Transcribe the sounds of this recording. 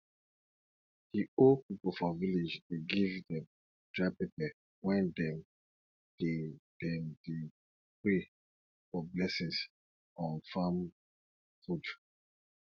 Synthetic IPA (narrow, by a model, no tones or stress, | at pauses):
hiopipofɔviled͡ʒteɡivdɛ̃m | d̥ɹapepɛ | wɛ̃ndɛm | d̥ed̥ɛmde | pɹe | fɔblɛsĩns | ɔ̃nfam | fud